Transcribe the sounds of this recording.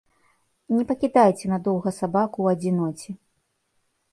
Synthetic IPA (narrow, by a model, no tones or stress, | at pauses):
nʲɛpɐkʲid̪ajt͡sʲɛnɐd̪ɔwɣɐsabakuːɐd͡zʲinɔt͡sʲi